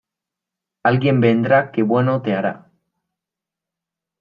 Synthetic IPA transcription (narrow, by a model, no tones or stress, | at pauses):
alɣie̞mbend̪ɾakeβwenot̪eaɾa